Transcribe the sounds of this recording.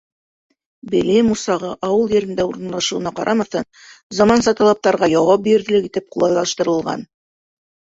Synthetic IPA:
bɘ̆limusɑʁɤʔɑwɤlˠjɘ̆ɾɘ̆nd̪æuɾɤ̆nlˠɑʃɤ̆wɤ̆nɑqɑ̰ɾʔɑmɑθɤn | zɑmɑnsɑt̪ɑlˠɑp̚t̪ɑɾʁɑjɑwɑp̚biɾðɘ̆lɘkit̪ɘp̚qulˠɑlˠɑʃt̪ɤ̆ɾɤ̆lˠʁɑ̰n

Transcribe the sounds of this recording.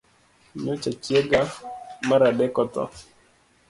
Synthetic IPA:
ɲot͡ʃat͡ʃjeɡamaɾadɛkɔt̪ɔ̰

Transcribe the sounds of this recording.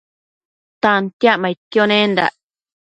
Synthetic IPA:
t̪ãnt̪jaʔmãit̪jonẽnd̪a̰ʔ

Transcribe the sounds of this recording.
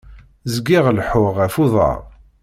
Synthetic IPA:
zɡɪʁlħʊʁæfuðˤɑ̰ʁˤ

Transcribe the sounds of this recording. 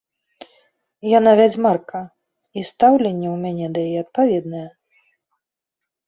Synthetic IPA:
janavʲad͡zʲmarkɐ | ist̪awlʲɛnʲːɛwmʲanʲɛd̪ɐjajɛɐt̪̚pavʲɛd̪nɐjɛ

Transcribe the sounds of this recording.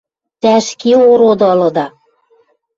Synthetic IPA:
t̪æʃkioɾod̪ɤlɤ̆d̪ɑ

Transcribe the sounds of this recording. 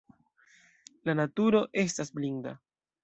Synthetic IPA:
lanatuɾo̞ʔe̞s̬tasblinda̰

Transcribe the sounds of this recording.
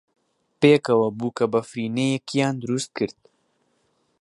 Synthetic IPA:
peːkɐwɐbukabɐfɾiːnejekijɑːnd̪ɾust̪̚kɨɾt̪̚

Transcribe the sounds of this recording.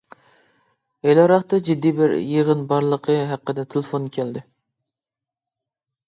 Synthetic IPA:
elɑɾɑχt̪ɑd͡ʒid̪ːijbɪɾjeʁənbɑɾlˠəqʰəɦæqːəd̪ɛt̪ʰɪlˠfonkʲʰæld̪ɪ

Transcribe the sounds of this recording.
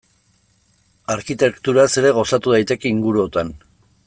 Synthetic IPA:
aɾkit̪e̞kt̪uɾase̞ɾe̞ɣ̞o̞sat̪uð̞ajt̪e̞ke̞iŋɡuɾuo̞t̪an

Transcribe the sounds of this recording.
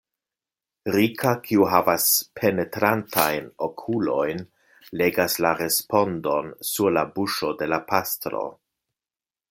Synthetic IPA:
ɾikʰakʰiuɦavaspʰene̞tɾantʰajnokʰulo̞jn | le̞ɡaslaɾe̞spo̞ndo̞nsuɾlabuʃo̞de̞lapastɾo̞̰

